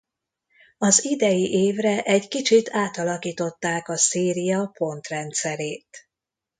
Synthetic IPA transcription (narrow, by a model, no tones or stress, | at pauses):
ɒzid̪ɛjiʔeːvrɛʔɛɟkit͡ʃit̪ʰaːt̪ɒlɒkiːt̪o̞t̪ːaːkɒseːɾijɒpo̞nt̪rɛnt̪sɛɾeːt̪